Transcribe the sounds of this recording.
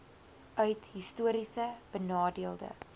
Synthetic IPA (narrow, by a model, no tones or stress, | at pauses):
œɥtɦistuəɾisəb̥ənɑːdiəlˠdə̰